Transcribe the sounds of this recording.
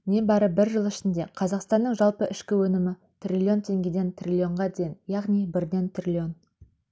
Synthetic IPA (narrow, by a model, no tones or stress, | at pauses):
ne̞bɑɾəbɪɾʒəlˠɪʃɪnd̪e̞qʰɑzɑqst̪ɑnːəɴʒɑlˠpəʔɪʃkʲɪwɵnɪmɪ | t̪ʰrʲilʲio̞nt̪ʰe̞ŋɡʲe̞d̪e̞nt̪rʲilʲjo̞ɴʁɑd̪ejnjɑʁnijbɪɾd̪e̞nt̪rʲilʲio̞n